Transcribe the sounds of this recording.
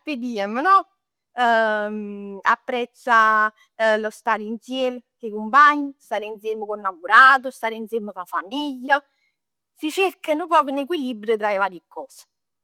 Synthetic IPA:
ped̪iamənɔ | a̰pːɾɛt̪sːa | lost̪aːɾint̪sjelsekumpaɲːist̪aːɾinseməkonːaɡuɾaːt̪̬ust̪aːɾinseɾməkafamiʎːa | sit͡ʃerkanupɔːkunek̬wilibɾət̪ɾaevaːɾjikːɔːs

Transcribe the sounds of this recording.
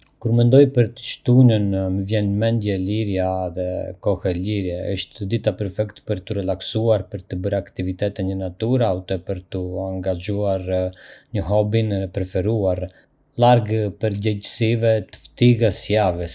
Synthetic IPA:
kuɾmɛnd̪ɔjpəɾt̪ə̥ʃt̪unənməvjɛnmɛnd̪jɛliɾjaðɛ̰kɔhɛliɾjɛə̰ʃt̪d̪it̪apəɾfɛkt̪pəɾt̪əɾɛlaksuaɾpəɾt̪əbəɾakt̪ivit̪ɛt̪ɛɲənat̪uɾaut̪ɛpəɾt̪əaŋɡad͡ʒuaɾɲəɦɔbinɛpɾɛfɛɾuaɾ | laɾɡpəɾɟɛɟsivɛt̪ə̥ft̪iɣəsjavɛs

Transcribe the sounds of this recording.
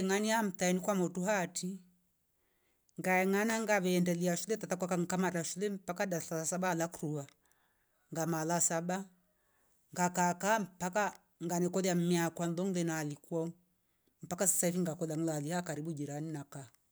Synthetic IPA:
ŋaniam̩taɛnikwamɔtuɦatʰi | ŋɡaɛŋanaŋɡaβɛːndɛliaʃulɛtatakwakaŋkamataʃulɛm̩pakadaɬalasabaːlakɾua | ŋɡamalasaba | ŋɡakakam̩paka | ŋɡanɛkɔðiam̩miakwanðɔŋlɛnalikwa | m̩pakasḁsaifiŋɡakɔðaŋlalihakaɾibud͡ʒiɾaninaka

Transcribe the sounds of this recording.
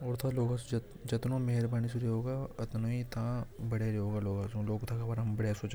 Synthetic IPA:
ɔːɾt̪ʰaloːɡasd͡ʒ | d͡ʒɐt̪nõmeɦɪɾbaːnisuɾeɦoːɡaɐt̪noit̪ʰãbɐɽeɾeɦoːɡaloːɡasũloːɡt̪ʰakʰabaɾɐmbɐɽasoːt͡ʃ

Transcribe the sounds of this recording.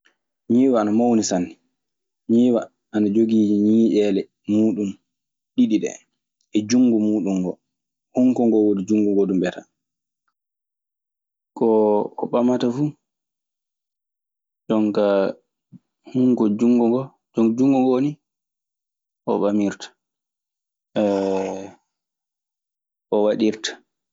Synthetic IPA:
ɲiːwaanamawnisanːi | ɲiːwa | ʔanad͡ʒoɡiːd͡ʒiɲiːʔɛlɛ | muːɗum | ɗiɗiɗɛ̰ | ɛd͡ʒuŋɡumuːɗumɡɔ | huŋkɔŋɡɔwodid͡ʒuŋɡuŋɡodumɓɛta̰ | kɔːɓamatafu | d͡ʒɔŋka | huŋkɔd͡ʒuŋɡɔɡɔ | d͡ʒɔŋd͡ʒuŋɡɔɡoni | ʔɔ̰ɓamiɾtḁ | ʔɔwaɗiɾtḁ

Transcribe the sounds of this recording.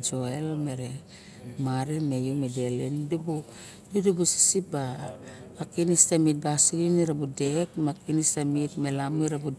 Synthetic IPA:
d͡ʒoelme̞ɾe | maɾime̞jumede̞lendubu | dudubusi̥sibaː | kinistamit̚basiɡiniɾabudekmakinistamitmelamuiɾabu

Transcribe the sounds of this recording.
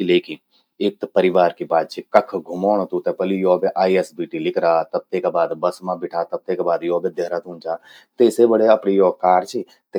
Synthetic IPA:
leːkɪn | eːk̚t̪pəɾɪʋaːɾkibaːd̪̚t͡ʃʰikɐkʰɡʱʊmoːñt̪ũt̪epəlijɔːbeʔaːiɛsbiːʈilɪkʰɾaːt̪ɐb̚t̪eːkabaːd̪bɐsmãbɪʈʰaːt̪ɐb̚t̪ekabaːd̪jɔːbed̪eɦɾat̪ũːnd͡ʒaː | t̪eːsebəɽeɐpnijoːkaːɾt͡ʃʰi | t̪e

